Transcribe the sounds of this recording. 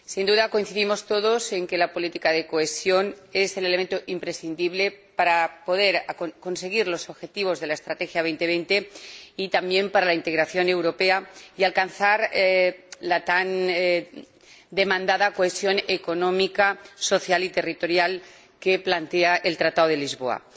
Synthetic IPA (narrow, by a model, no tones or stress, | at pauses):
sind̪uðako̞inθiðimo̞st̪o̞ðo̞se̞ŋke̞lapo̞lit̪ikaðe̞koe̞sjo̞ne̞se̞leleme̞nt̪oʔimpɾe̞sθind̪iβle̞paɾapo̞ð̞e̞ɾko̞nse̞ɣ̞iɾlo̞so̞βxe̞t̪iβ̞o̞zðe̞lae̞st̪ɾat̪exjaβe̞jnt̪eβe̞jnt̪e̞it̪ambje̞mpaɾalaint̪e̞ɣɾaθjo̞ne̞wɾo̞pe̞aialkanθaɾ | lat̪an | d̪e̞mãnd̪aðako̞e̞sjo̞neko̞nõ̞mikaso̞θjalit̪e̞rit̪o̞ɾjal | ke̞plant̪e̞aʔe̞lt̪ɾat̪aðoð̞e̞lizβo̞a̰